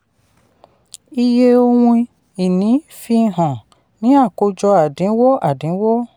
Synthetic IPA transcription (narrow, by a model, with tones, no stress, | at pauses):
i˧je˧o˧wũ˧ | i˨nĩ˨˦ | fi˧ɦã˨ | nĩ˨˦a˦˨ko˧d͡ʒɔ˧a˨dĩ˨˦wɔ˦a˨dĩ˨˦wɔ˦